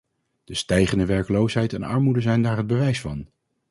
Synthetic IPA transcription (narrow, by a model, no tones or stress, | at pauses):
d̥əstɛjχəndəʋɛɹkəlowsɦɛjtɛnɑ̰ɹmudəzɛjndaːɹɦəd̚bəʋɛjsfɑn